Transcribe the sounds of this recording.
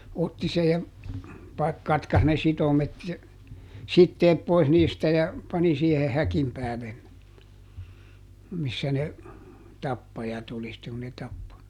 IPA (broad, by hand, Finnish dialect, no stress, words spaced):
otːi sej jɑ pɑ kɑtkɑs ne sitomet jɑ sitːeːp pois niːstæ jɑ pɑni siehe hækim pæːlen ne misːæ ne tɑpːɑjɑt oli sitːeŋ ku ne tɑpːo